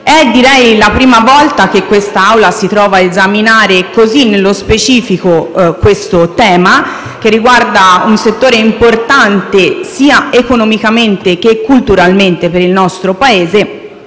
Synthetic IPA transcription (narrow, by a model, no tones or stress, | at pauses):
ɛd̪ːiɾɛjlapɾiːmavɔlt̪ak̟ekːwest̪aawlasit̪ɾɔːvaːezaminaːɾekozinːelːospet͡ʃiːfikokwest̪ot̪ɛːma | k̟erːiɡward̪aunset̪ːoːɾeimport̪ant̪esiːaekonomikament̪ek̟ekːult̪uɾalment̪epeɾilnɔst̪ɾopaeːze